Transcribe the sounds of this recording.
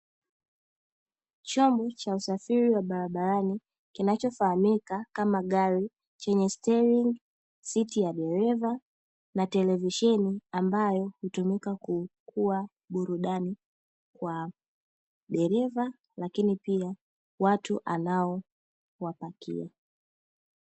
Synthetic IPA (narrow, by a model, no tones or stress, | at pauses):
t͡ʃɔmbɔt͡ʃausafiɾiwaɓaɾaɓaɾani | kinat͡ʃɔfahamikakamaɠaɾi | t͡ʃɛɲɛstɛɾiŋɡ | sitijaɗɛɾɛva | natɛlɛviʃɛniambajɔhutumikakukʰua | ɓuɾuɗani | kwa | ɗɛɾɛva | lakinipia | watuʔanaɔ | wapakḭa